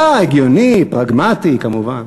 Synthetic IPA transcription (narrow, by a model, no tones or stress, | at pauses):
aeɡjonipʁaɡmat̪ikamuvan